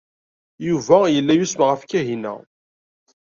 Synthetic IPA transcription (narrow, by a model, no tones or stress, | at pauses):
juvæjəlːæjusməʁəfkæɦinæ̰